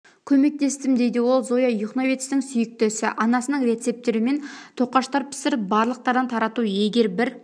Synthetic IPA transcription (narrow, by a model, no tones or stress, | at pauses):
kʲʰɵme̞k̚t̪e̞st̪ɪmd̪e̞jd̪ɪwo̞lˠzo̞jɑjʊχnovet̪st̪ɪŋsʏjɪk̚t̪esɪʔɑnɑsənəɴre̞t̪se̞p̚t̪e̞ɾɪme̞nt̪ʰo̞qːɑʃt̪ɑɾpʰɪ̥sɪɾbɑɾlˠəq̚t̪ɑɾd̪ɑnt̪ʰɑɾɑt̪uje̞ɡʲe̞ɾbɪɾ